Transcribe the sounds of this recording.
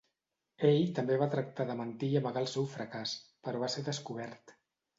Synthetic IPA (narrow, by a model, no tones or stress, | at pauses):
eʎt̪əmbeβat̪ɾək̚t̪aðəmənt̪iəβəɣalˠsewfɾəkaspəɾɔβaseðəskuβ̞ɛɾt̪